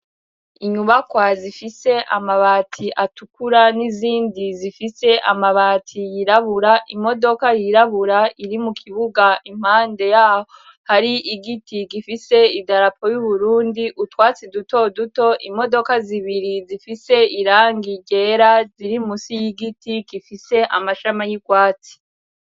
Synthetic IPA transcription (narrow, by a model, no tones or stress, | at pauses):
iɲuβakwazifise̞ʔamaβaːtʰiʔatukuɾaniziːndizifise̞ʔamaβatʰijiɾaβuɾaʔimo̞do̞kajiɾaβuɾaiɾimukʰiβuɡaʔim̥haːnde̞jaːho | haɾiʔiɡitiɡifise̞idaɾapʰo̞juβuɾuːndiʔutwaːt͡siduto̞duto̞ʔimo̞do̞kaziβiɾizifise̞iɾaːŋɡiɟe̞ɾaziɾimusijiɡitiɡ̥ifise̞ʔa̰maʃamajiɡwaːt͡si̥